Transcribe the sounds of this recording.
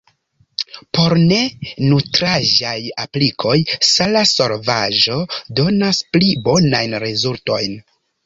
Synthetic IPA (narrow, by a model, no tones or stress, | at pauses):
po̞ɾne̞nutɾaʒajaplikʰo̞jsalaso̞ɾvaʒo̞do̞nasplibo̞najnɾezulto̞jn